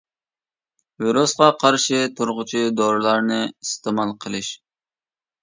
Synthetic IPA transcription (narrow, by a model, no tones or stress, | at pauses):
veɾosqɑqʰɑɾʃɪt̪ʰuɾʁʊt͡ʃʰid̪oɾɨlˠɑɾnɨist̪ʰɨmɑlˠqʰəlˠɨʃ